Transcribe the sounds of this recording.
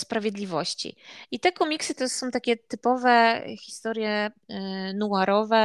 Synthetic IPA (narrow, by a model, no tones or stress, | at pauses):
spɾavʲjɛd̪lʲivɔɕt͡ɕḭit̪ɛkɔmʲiksɘt̪ɔsɔ̃w̃t̪akʲɛt̪ɘpɔvɛ̰çʲi̥st̪ɔɾʲjɛ | nuaɾɔvɛ